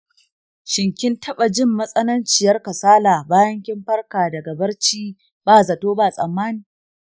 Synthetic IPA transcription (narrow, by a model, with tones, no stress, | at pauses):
ʃɪ˨ŋkʲɪ˦ntʰɐ˦ɓa˨d͡ʒɪ˦˨mːɐ˦sʼɐ˦nɐ˦nt͡ʃɪ˨jɐ˦rkɐ˨saː˦laː˨baː˦jɐ˦ŋkʲɪ˦mɸɐ˦rkaː˨dɐ˨ɡɐ˨bɐ˦rt͡ʃiː˦ | baː˦˨zɐ˨toː˦baː˦˨sʼɐ˨mːaː˦niː˨